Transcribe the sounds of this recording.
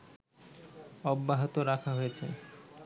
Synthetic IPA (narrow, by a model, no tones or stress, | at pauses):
ɔbːaɦot̪oɾakʰaɦojet͡ɕʰḛ